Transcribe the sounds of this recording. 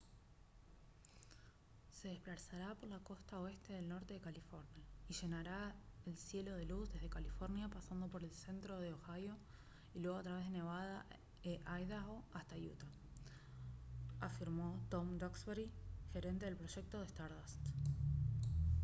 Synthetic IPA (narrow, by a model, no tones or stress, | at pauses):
se̞ðesplaɾsaɾapo̞ɾlako̞st̪aoe̞st̪e̞ðe̞lno̞ɾt̪e̞ðekalifo̞ɾnjaiʒe̞naɾaelsje̞lo̞ð̞e̞luzðe̞zð̞e̞kalifo̞ɾnjapasand̪o̞po̞ɾe̞lse̞nt̪ɾo̞ð̞eoxajo̞ | ilweɣat̪ɾaβe̞zðene̞βað̞a | eʔajðaɣoast̪ajṵt̪a | afiɾmo̞t̪o̞md̪oksβeɾixe̞ɾe̞nt̪e̞ð̞e̞lpɾoʃe̞k̚t̪oð̞est̪aɾðast̪